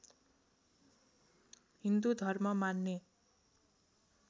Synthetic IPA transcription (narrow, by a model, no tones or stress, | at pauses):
ɦind̪ud̪ʱʌrmʌmanːe